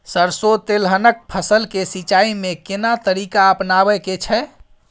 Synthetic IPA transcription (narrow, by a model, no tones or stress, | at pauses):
səɾsot̪elɦənək̚pʰəsəlkesit͡ʃaimekenat̪əɾikaəpnabɛket͡ʃʰɛ